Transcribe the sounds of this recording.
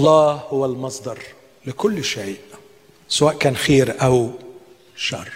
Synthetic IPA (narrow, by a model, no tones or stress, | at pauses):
ʔɑlˤːɑːhʊwalmɑsˤd̪ɑɾˤ | lɪkʊlːʃaiːʔ | sawaːʔkæːnxeːɾʔaw | ʃɑ̰rˤː